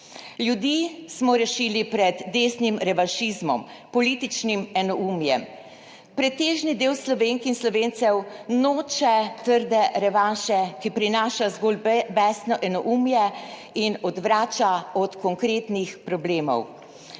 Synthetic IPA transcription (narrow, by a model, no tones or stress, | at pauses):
ljud̪iːsmɔɾɛʃiːlipɾɛd̪ːeːsnimɾɛʋaʃizmɔm | pɔlit̪it͡ʃnimɛnɔuːmjɛm | pɾɛt̪eːʒnid̪eːwslɔʋeːŋkinslɔʋeːnsɛwnoːt͡ʃɛt̪əɾd̪ɛɾɛʋanʃɛkipɾinaːʃazɡoːlbɛsnɔʔɛnɔʔumjɛ | inɔd̪ʋɾaːt͡ʃaɔt̪kɔŋkɾeːt̪nixpɾɔbleːmɔ̰w